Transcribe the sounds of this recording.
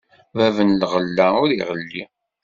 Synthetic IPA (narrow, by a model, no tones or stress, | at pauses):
vævənlʁəlːæʊɾḭʁəlːi